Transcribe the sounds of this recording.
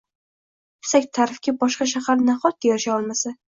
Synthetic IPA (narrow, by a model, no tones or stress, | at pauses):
bɪ̥sakʲt̪ʰaɾɪfkʲabɒʃqɑʃahaɾnaχɒt̪̚d̪ejɒɪʃaɒlˠmasa